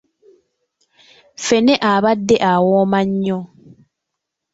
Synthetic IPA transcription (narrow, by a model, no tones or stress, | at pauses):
feneʔaβadːeʔawoːmaɲːo